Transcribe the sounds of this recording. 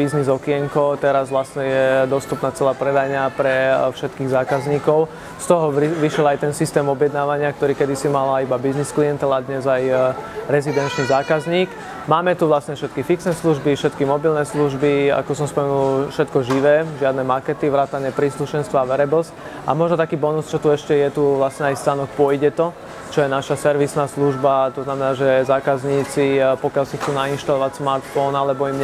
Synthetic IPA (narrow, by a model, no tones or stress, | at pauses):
iznizɔkiɪɛŋkɔt̪ɛɾazʋlasɲɛjɛd̪ɔst̪upnaːt͡sɛlaːpɾɛd̪ajɲapɾɛfʃɛt̪kiːɣzaːkazɲiːkɔʊ | st̪ɔɦɔʋiʃɪɛlajt̪ɛnsist̪ɛːmɔbjɛd̪naːʋaɲɪak̚t̪ɔɾiːkɛd̪isimalaibabizniskliɛnt̪ɛlad̪ɲɛzajɾɛzid̪ɛnt͡ʃnizaːkazɲiːk | maːmɛt̪uʋlasɲɛfʃɛt̪kifiksnɛsluʒbifʃɛt̪kimɔbilnɛsluʒbia̰kɔsɔmspɔmɛnulfʃɛt̪kɔʒiʋɛːʒɪad̪nɛmakɛt̪iʋɾaːt̪aɲɛpɾiːsluʃɛnst̪ʋɔaʋɛɾɛbɔsc | a̰mɔʒnɔt̪akiːbɔnust͡ʃɔt̪uɛʃcɛjɛt̪uʋlasɲɛajst̪aːnɔk̚pʊɔjɟɛt̪ɔ | t͡ʃɔjɛnaʃasɛɾʋisnaːsluʒbat̪ɔznamɛnaːʒɛzaːkazɲiːt͡sipɔkjalsixt͡suːnainʃt̪alɔʋacsmaɾt̪fɔnalɛbɔimɲ